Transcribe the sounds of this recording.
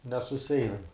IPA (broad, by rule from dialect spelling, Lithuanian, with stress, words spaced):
nʲɛsʊˈsʲɛɪnɐm